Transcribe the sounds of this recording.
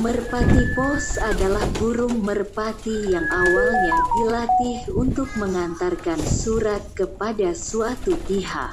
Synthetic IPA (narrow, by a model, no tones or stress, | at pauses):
mərpat̪ipɔsadalahbuɾʊŋmərpat̪ijaŋawalɲabilat̪ɪhunt̪ʊk̚məŋant̪arkansuɾat̪̚kəpadasuat̪upiɦa̰k